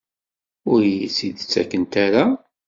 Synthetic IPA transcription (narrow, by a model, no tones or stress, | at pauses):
ʊɾjit͡sːid̪t͡sːækːənt̪aɾa